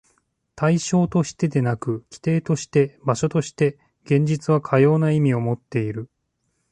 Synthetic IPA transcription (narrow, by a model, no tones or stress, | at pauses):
t̪aiɕo̞ːt̪o̞ɕi̥t̪e̞d̪e̞nakɯ̟kʲi̥t̪e̞ːt̪o̞ɕi̥t̪e̞baɕo̞t̪o̞ɕi̥t̪e̞ | ɡ̥ẽ̞ɲ̟d͡ʑit͡sɨβ̞akʰajo̞ːnaimʲio̞mo̞t̪ːe̞iɾɯ̟